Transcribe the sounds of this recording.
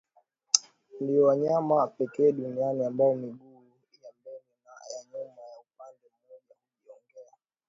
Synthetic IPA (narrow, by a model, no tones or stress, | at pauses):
ndiɔwaɲamapɛkɛːɗunianiambaɔmiɡuː | jambɔnɛnajaɲumajaupandɛm̩ːɔʄauliɔŋɡɛa